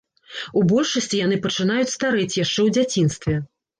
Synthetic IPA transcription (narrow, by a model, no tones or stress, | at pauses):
ubɔlʲʂɐsʲt͡sʲijan̪ɨpɐt͡ʂɨnajut͡sʲst̪aɾɛt͡sʲjaʂt͡ʂɛwd͡zʲat͡sʲin̪st̪vʲɛ